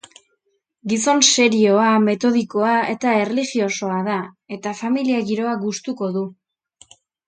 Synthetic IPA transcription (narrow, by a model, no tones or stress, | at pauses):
ɡiso̞nse̞ɾio̞ame̞t̪o̞ðiko̞ae̞t̪ae̞rliɣio̞so̞aða | e̞t̪afamiliaɣiɾo̞aɡust̪uko̞ðu